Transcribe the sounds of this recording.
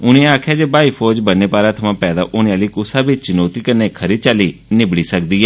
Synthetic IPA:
ʊnẽːaːkʰjaːd͡ʒeːbaːiːpʰoːd͡ʒbənːeːpaːɾãːt̪ʰəmãːpɛːd̪a̰ːʔʊnãːliːkʊsãːbɪt͡ʃt͡ʃɪnoːt̪iːkəɾneːkʰəɾit͡ʃaliːnɪbɽiːsək̚d̪iːɛː

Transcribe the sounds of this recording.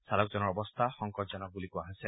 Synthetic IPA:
salɔk̚d͡ʒɔnɔɾɔbɔst̪ʰaxɔŋkɔʈd͡ʒɔnɔk̚bulikuaɦase

